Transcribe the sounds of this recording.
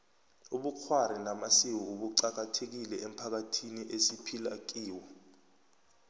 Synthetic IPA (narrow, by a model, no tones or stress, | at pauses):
uɓuk͡xʰwaɾ̤inamasiw̬uɓuǀak̬atʰek̬ilɛʔɛm̩pʰak̬atʰiniʔesipʰila̰k̬ʼiːwɔ